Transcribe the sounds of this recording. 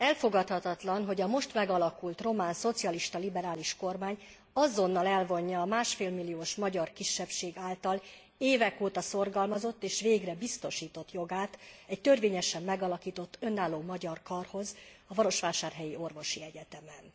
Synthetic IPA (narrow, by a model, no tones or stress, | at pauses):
ɛlfo̞ɡɒt̪hɒt̪ɒt̪lɒnɦo̞ɟɒmo̞ʃt̪mɛɡɒlɒkult̪ro̞maːnso̞t̪sijɒliʃt̪ɒlibɛɾaːliʃko̞rmaːɲ | ɒzo̞nːɒlɛlvo̞ɲːɒːmaːʃfeːlmilːijoːʃmɒɟɒrkiʃːɛpʃeːɡaːlt̪ɒl | eːvɛkoːt̪ɒso̞rɡɒlmɒzo̞t̪ːeːʃʋeːɡrɛbist̪o̞ʃiːt̪o̞t̪jo̞ɡaːt̪ɛct̪ørveːɲɛʃɛmːɛɡɒlɒkiːt̪o̞t̪ːø̞nːaːlːoːmɒɟɒrkɒrho̞zɒvɒɾo̞ʃʋaːʃaːrɦɛjio̞rvo̞ʃiɛɟɛt̪ɛmɛn